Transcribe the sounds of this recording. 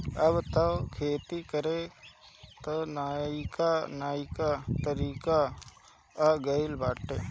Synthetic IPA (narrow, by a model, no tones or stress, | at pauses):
ɐbt̪ɐkʰeːt̪ikəɾe | t̪onaikanaːikat̪əɾiːka | aɡɐɪlbaːʈːeː